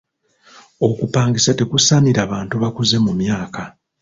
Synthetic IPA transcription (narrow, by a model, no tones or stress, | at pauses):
o̞kupaːŋɡisate̞kusaniɾaːβaːntuβakuze̞mumjaːka